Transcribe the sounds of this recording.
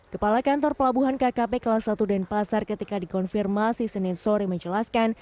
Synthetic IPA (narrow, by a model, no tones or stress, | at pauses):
kəpalakant̪ɔrpəlabuɦankakapekəlahsat̪udɛnpasarkət̪ikadikɔnfirmasisənɪnsoɾiməɲd͡ʒəlaskan